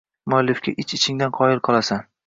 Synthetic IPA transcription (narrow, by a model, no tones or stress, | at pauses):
mʊalːɪfkʲaʔɪt͡ʃɪt͡ʃʰɪŋd̪anqʰɒɪlˠqʰɒlˠasan